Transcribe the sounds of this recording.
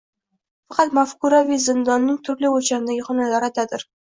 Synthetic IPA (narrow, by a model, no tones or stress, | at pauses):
fɑqʰɑt̪mafkʊɾavizɪnd̪ɒnːɪŋt̪ʰʊɾlɪot͡ʃanɪnd̪aɡʲɪχɒnalaɾad̪ad̪ɪɾ